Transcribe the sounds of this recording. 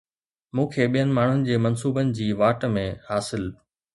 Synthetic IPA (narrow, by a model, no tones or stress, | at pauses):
mũːkʰeːɓijənɪ̆maːɳ̤ʊnɪ̆d͡ʑeːmɐnsuːbənɪ̆d͡ʑiːʋaːʈmẽhaːsɪl